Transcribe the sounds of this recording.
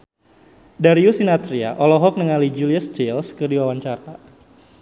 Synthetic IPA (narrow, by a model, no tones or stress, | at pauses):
daɾiusinat̪ɾia̰ʔɔlɔɦɔk̚nəŋalid͡ʒuliəst͡ʃilskərdiwawaɲt͡ʃaɾa